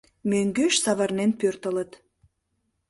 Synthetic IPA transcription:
møŋɡøʃsɑβɑrnenpørt̪ələ̆t̪

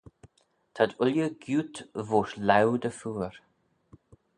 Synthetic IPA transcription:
t̪ʰad̪ʊljəɡjuːt̪voːʃlawd̪əfuːɹ

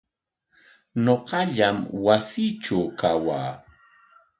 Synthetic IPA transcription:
ɲoqɑʎamwasiʈ͡ʂawkawa̰ː

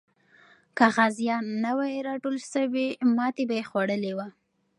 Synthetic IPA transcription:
kaɣazjɑnːawajeɾɑʈolʃəwimɑt̪ebajexwaɽəlewa

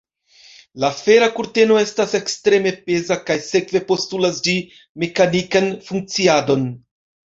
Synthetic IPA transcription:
lafe̞ɾakuɾte̞no̞e̞stase̞kstɾe̞me̞pe̞zakajse̞kve̞po̞stulasd͡ʒi | me̞kanikanfuŋk̚t͡siado̞n

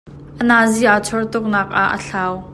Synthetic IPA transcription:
ʔənaːziʔat͡sʰɔrt̪ʊk̚naːk̚ʔaʔːə̰ɬaːw

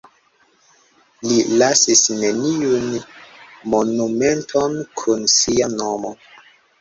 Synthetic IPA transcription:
lilasisne̞niun | mo̞nume̞ntʰonkʰunsianomo

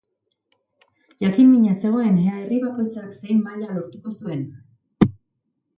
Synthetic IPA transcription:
ʝakimːiɲase̞ɣ̞o̞e̞neae̞riβako̞jt͡sakse̞jmːaʎalo̞ɾt̪uko̞sue̞n

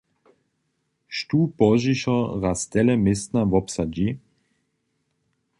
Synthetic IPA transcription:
ʃtuːpɔʒiʃɔʁast̪ɛlɛmɪst̪navɔpsad͡ʒi

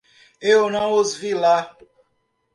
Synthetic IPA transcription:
ewnãw̃ozvila

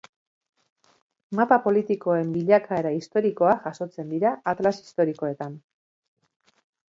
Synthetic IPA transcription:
mapapo̞lit̪iko̞e̞mbiʎakaeɾaist̪o̞ɾiko̞aʝaso̞t͡se̞nd̪iɾaʔat̪lasi̥st̪o̞ɾiko̞e̞t̪an

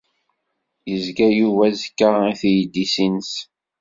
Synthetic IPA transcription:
jəzɡæjuvæzəkːaæθjd̪ːisins

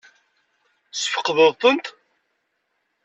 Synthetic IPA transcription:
səfə̥qːðəðˤt̪ənt̪

